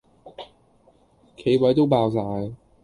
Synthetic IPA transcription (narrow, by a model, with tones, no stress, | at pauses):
kʰe˨˧˥jwɐ˨˥jt̪o˥wpaː˧ws̬aː˧j